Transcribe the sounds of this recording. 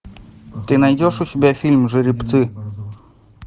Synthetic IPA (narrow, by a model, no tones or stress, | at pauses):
t̪ɨnajdʲoʂʊsʲɪbʲafʲilʲmʐɨɾʲɪpt̪sɨ